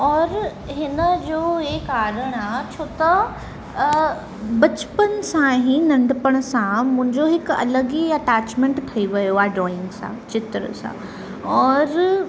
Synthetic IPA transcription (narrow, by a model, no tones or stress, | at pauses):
ɔːɾ | ɦɪnəd͡ʑoːɦekaːɾəɽ̃aːt͡ɕʰoːt̪ɐ | bɐt͡ɕpənsãɦĩnɐ̃ɳɖɪpəɽ̃sãmʊ̃ɦɪ̃ɲd͡ʑoɦɪkɐ̰ləɡiɐʈaːt͡ɕmẽɳʈt̪ʰɐiʋɐjoaːɖɾɔːɪ̃ŋɡsã̰t͡ɕɪt̪ɾə̰sã̰ | ɔːɾ